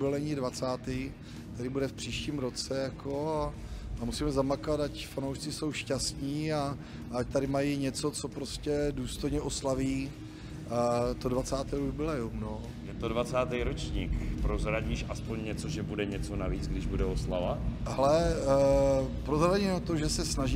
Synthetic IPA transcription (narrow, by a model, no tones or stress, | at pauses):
bɪlɛɲiːdvat͡saːt̪i | t̪adɪbudɛfpr̥iːʃciːmɾo̞t͡sɛjakʰo̞aamusiːmɛzamakat̪acfanowʃt͡sɪso̞wʃcast̪ɲiːa | act̪aɾɪmajiɲɛt͡so̞t͡so̞pɾoscɛduːst̪o̞jɲɛʔo̞slaviː | t̪odvat͡saːt̪ɛːubɪlɛjumno | jɛt̪odvat͡saːt̪ɛjɾot͡ʃɲiːkpɾozɾaɟiːʃʔaspoɲɲɛt͡soʒɛbudɛɲɛt͡so̞naviːt͡sɡdɪʒbudɛosla̰vahalɛ | pɾozɾaɟinot̪oʒɛsɛsnaʒi